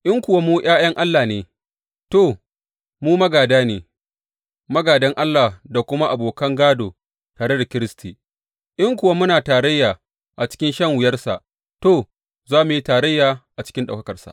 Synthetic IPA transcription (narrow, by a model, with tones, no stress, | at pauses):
ʔɪ˦ŋkʷʊ˨wa˦muː˦j̰ʔaː˦jɐ˦ŋʔa˦lːaː˨neː˨ | to˦˨ | muː˦mɐ˦ɡaː˨daː˦neː˨ | mɐ˦ɡaː˨dɐ˦ŋʔa˦lːaː˨da˨kʷʊ˦ma˦ʔa˨boː˨kɐ˦ŋɡaː˦doː˨ | taː˨ɽe˦da˨kʲɪ˦ɾɪ˦stʰi˨ | ʔɪ˦ŋkʷʊ˨wa˦mʊ˦naː˨taː˨ɾɐ˦jːaː˨ | ʔa˨t͡ʃɪ̥˦kʲɪ˦nʃɐ˦ŋwɪ˨jɐ˦rsa˨ʔ | toː˦˨ | zaː˦mu˨ji˦taː˨ɾɐ˦jːaː˨ʔa˨t͡ʃɪ̥˦kʲɪ˦nɗa̰˨kɐ˦kɐ˨rsa̰˨ʔ